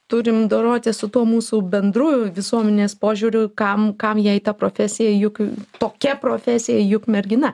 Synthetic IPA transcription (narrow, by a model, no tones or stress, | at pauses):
t̪ʊɾʲɪmd̪oːɾoːt̪ʲɪsʊt̪uɔmuːsuːbʲɛnd̪ɾuːjʊʋʲɪsuɔmʲɛnʲeːspoːʒʲuːɾʲʊkɐmkɐmjɛːɪt̪ɐpɾoːfʲæsʲɪjɛjʊkt̪oːkʲɛpɾoːfʲæsʲɪjɛjʊkmʲɛɾʲɡʲɪnɐ